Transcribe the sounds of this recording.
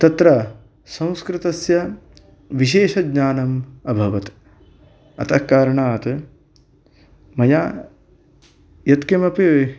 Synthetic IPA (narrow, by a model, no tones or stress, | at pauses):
t̪ɐt̪ɾɐ | sɐ̃w̃skɾɪt̪ɐsjɐ | ʋiʃeːʃɐdɲaːnɐmɐbʱɐʋɐt̪ | ɐ̰t̪ʰɐkːaːɾɐɳaːt̪ | mɐjaː | jɐt̪kemɐpi